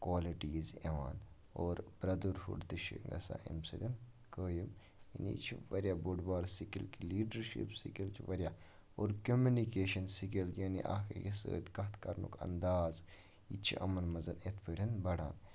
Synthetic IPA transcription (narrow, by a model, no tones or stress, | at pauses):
kwaːliʈiːzeʋa̰ːn | oːɾbɾɐd̪uɾfṵɖt̪ɨʃḭŋɡɐ̰sa̰ʔḭmsɐd̪ʲɐn | kəːjim | jinḭt͡ʃʰiʋɐɾʲjaboɖbaːɾsikilkiliːɖɐɾʃḭpsikilt͡ʃʰʋɐɾja | oːɾkomunikeːʃɐnsikiljɐːnḭʔa̰keɡisə̰ːd̪kɐt̪ʰkɐɾnṵkɐ̰nd̪aːz | it͡ʃʰḭʔɐ̰mɐnmɐzɐnet̪ʰpʰəɾʲɐnbɐɽa̰ːn